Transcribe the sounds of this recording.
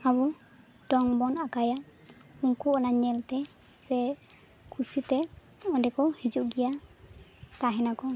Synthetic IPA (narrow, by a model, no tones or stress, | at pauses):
abɔ | ʈɔŋbɔnakajauŋkuɔnaɲɛlt̪ɛ | sɛ | kʰusit̪ɛ | ɔɖɛkɔhid͡ʒuʔɡija | t̪aɦɛnakɔ